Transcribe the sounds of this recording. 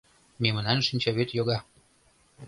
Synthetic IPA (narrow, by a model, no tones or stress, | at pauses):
memə̆nɑnʃinʲt͡ɕɑβet̪joɣɑ